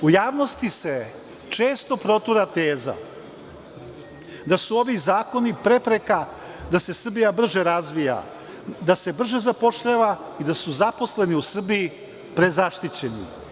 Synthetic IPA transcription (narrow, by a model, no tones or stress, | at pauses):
ujaːʋno̞st̪ise̞ | t͡ʂe̞ːst̪o̞pɾo̞t̪uɾat̪eːza̰ | d̪asuo̞ʋizaːko̞nipɾe̞pɾe̞ka | d̪ase̞sr̩bijabr̩ʒeɾazʋija̰ | d̪ase̞br̩ʒe̞zapo̞ʃʎaːʋa | id̪asuzapo̞sle̞niusr̩biji | pɾe̞zaʃt̪it͡ɕe̞nḭ